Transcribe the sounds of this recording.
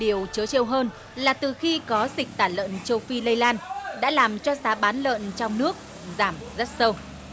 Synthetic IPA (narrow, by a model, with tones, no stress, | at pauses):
ɗi˨˩əwt͡ɕəː˨˦t͡ɕi˧wɦəː˧n | laː˨˩t̪ɨ˨˩xi˧kɔ˨˦zï˨˩k̚t̪aː˧˩lə̰ː˧˨nt͡ɕə˧wfi˧lə˧jlaː˧nɗa̰ː˧˥laː˨˩mt͡ɕɔ˧saː˨˦ɓaː˨˦nlə̰ː˧˨nt͡ɕɔ˧wŋ͡mnɨ˦˥ək̚ | zaː˧˩mzə˦˥t̚sə˧w